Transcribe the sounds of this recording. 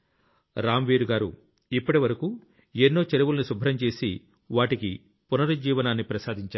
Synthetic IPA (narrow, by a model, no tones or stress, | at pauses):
ɾaːmʋiːɾuɡaːɾṵ | ipːɐʈiʋɐɾɐkuː | enːo̞ːt͡ʃeɾuʋulɐnisubʱɾɐmt͡ʃe̞ːsi | ʋaːʈiki | punɐɾud͡ʒiːʋɐnaːnːipɾɐsaːd̪ʱiɲt͡ʃaː